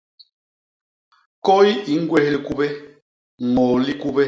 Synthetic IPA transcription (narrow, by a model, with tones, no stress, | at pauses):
kɔ˦i˦i˨˦ŋ̩˦ɡwɛ˦hli˨ku˦bɛ˦˨ | ŋɔ˨li˦ku˦bɛ˦